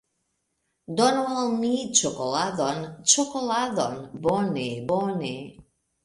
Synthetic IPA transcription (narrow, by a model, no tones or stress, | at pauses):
d̪ɔnualˠmit͡ʃɔkolaðɔnt͡ʃɔkolaðɔnbɔnebɔne